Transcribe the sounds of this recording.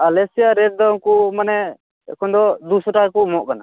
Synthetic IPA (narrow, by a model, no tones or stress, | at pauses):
alɛsijaɾɛʈ̚d̪ɔŋkumanɛ | ɛ̰kʰɔnd̪ɔd̪usɔʈakumɔʔkana